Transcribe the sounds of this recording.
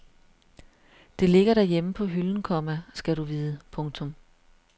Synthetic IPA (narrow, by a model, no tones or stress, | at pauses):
d̥e̝le̝ɡ̥ɐɾæɐjeməpʰɒ̽ɦyln̩kʰɒ̽mæsɡ̥æɾuʋiːðˠəpʰɔ̽ŋt͡sʰɔ̽m